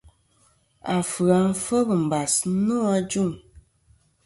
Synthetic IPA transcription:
a˨fɨ˨a˨m̩˦fə˦bɨ˨m̩˨ba˨snu˦a˦d͡ʒu˦˨ŋ

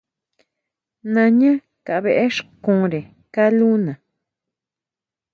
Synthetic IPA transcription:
nã˧ɲã˦ | ka˨˧βe˧ʔe˦ʂkũ˧˦ɾe˨ | ka˦lu˦nã˨

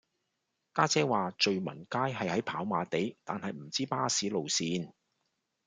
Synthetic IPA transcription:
kaː˥t͡sɛː˥waː˨t͡ʃɵ˨ɥmɐ̰˨˩nkaː˥jɦɐ˨jhɐ˨˥jpʰaː˨˥wmaː˨˧t̪e˨˥jt̪a̰ː˨nhɐ˨jm̩˨˩t͡siː˥paː˥siː˨˥lo˨wsiː˧n

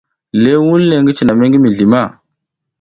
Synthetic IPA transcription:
le˦wu˦lle˨ŋɡi˦t͡ʃi˨na˨me˦ŋɡi˦mi˨ɮi˨ma˦˨

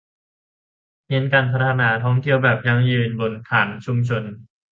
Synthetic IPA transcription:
hi˧˥nkaː˧npʰa˧t̪ʰa˧naː˩˦t̪ʰɔː˦˥ŋt̪ʰi˧˨əwbɛː˨˩p̚ja˧ŋjɯː˨˧˩nbo˧nkʰaː˩˦nt͡ɕʰu˧mt͡ɕʰo˧n

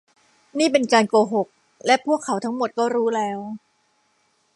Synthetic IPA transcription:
niː˥˩pe˧nkaː˧nkoː˧ɦo˨˩k̚ | lɛ˦˥pʰu˥˩əkʰːa˩˦wt̪ʰa˦˥ŋmo˨˩t̪̚kɔː˥˩ɾuː˦˥lɛː˦˥w

